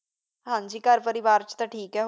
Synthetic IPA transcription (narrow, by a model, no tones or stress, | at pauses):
ɦãːɲd͡ʒiːkəɾpəɾɪʋaːɾt͡ʃt̪ãːʈʰiːkɛː